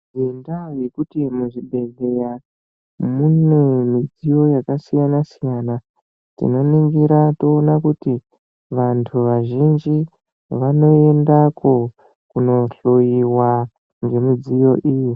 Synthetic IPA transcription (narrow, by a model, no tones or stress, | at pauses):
endaojekutimuʐiɓe̞ɮe̞ja | munemid͡zijo̞jakasijanasijana | tḭno̞niŋɡiɾatoːnakuti | ʋantʰuʋaʒind͡ʒi | ʋano̞e̞ndako̞ | kuno̞ɬojiwa | ŋɡe̞mid͡zijo̞ʔiːji